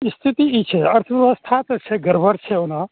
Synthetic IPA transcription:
st̪ʰit̪iit͡ʃʰeɐɾt̪ʰəʋəʋast̪ʰat̪t͡ʃʰeɡəɾbʱəɾt͡ʃʰeona

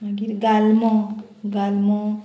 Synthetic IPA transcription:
aɡiɾɡalmɔ̃ | ɡalmɔ̃

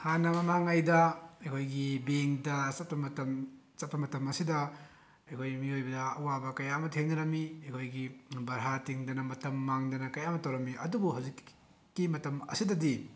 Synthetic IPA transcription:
hanɐmɐmaŋɐjdɐɐjkʰojɡibeŋdɐsɐt̚pʰɐmɐtɐm | t͡ʃɐt̚pɐmɐtɐmɐsidɐ | ɐjkʰojmiojbɐdɐɐwabɐkɐjamɐtʰeŋniɾɐmiɐjkʰojɡibɐɾɦatiŋdɐnɐmɐtɐmːaŋdɐnɐkɐjamɐtɐwɾɐmːiɐdubuɦawzikː | imɐtɐmɐ̰sidɐdi

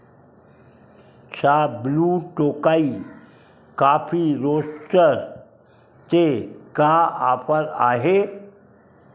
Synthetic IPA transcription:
t͡ʃʰaːbluːʈoːkaːi | kaːpʰiɾoːst͡ʃəɾ | t̪ekaaːpəɾa̰ːɦe

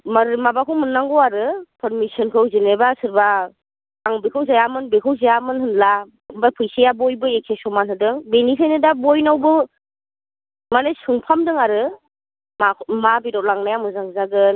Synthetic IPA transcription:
maɾmabakʰɯwmɯnːaŋɡɔwaɾɯpʰɯɾmisɯnkʰɯwzinebasɯɾba | aŋbikʰawzajamɯnbekʰɯwzajamɯnɦɯnla | bapʰɯjsejabojbɯekʰesɔmanɦɯdɯŋbenisʰajnɯdabojnawbɯ | manajsɯŋpʰamdɯŋaɾɯ | mamabiɾɔwlaŋnajamɯzaŋzaɡɯn

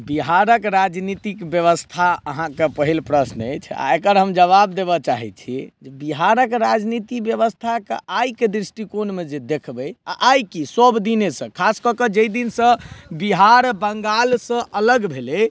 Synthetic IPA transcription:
biɦaɾəkɾad͡ʒnit̪ikbjəβəst̪ʰaə̰ɦãkepəɦilpɾəsnḛjt͡ʃʰa̰ekəɾɦəmd͡ʒəβabd̪ebɔt͡ʃaɦḭt͡ʃʰid͡ʒebiɦaɾəkɾad͡ʒnit̪ibjəβəst̪ʰakḛʔajked̪ɾisʈikonmed͡ʒed̪ekʰbəa̰ʔajkisəbd̪inesə̃kʰaskəkəd͡ʒəjd̪insə̃biɦaɾbəŋɡalsə̃ʔələɡbʱele

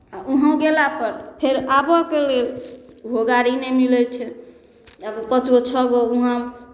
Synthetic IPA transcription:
auɦə̃ɡelapəɾpʰeɾabɔkelelbʱoɡaɾinemilɛt͡ʃʰɛ | abpət͡ʃot͡ʃʰɔɡouɦã

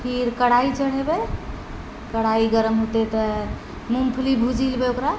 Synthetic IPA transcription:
pʰiɾkəɽait͡ʃəɽ̤ebe | kəɽ̤aiɡəɾəmɦot̪et̪ɔ | mumpʰlibʱud͡ʒilbeokɾa

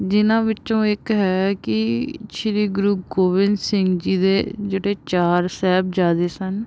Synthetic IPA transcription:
d͡ʒɪnãːʋɪt͡ʃõːɪkɦɛːkɪʃɪɾiːɡɾuːɡoːʋɪnsɪŋɡd͡ʒiːd̪eːd͡ʒeːɽeːt͡ʃaːɾsɛːbd͡ʒaːd̪eːsən

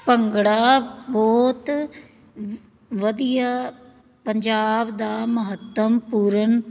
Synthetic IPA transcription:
pəŋɡɽaːbɔːt̪ | ʋəd̪ija | pəɲd͡ʒaːbd̪aːməɦət̪ːəmpuːɾən

